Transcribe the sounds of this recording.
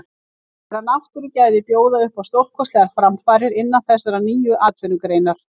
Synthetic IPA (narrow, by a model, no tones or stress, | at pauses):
θɛɾanawht̪uɾʏcaːjvɪpjoːwðaʏhpawst̪owr̥kʰɔst̪lɛɣaɾfɾamfaːɾɪɾɪnːanθɛsaɾaniːjʏʔaːt̪vʏnʏkɾeːjnaɾ̥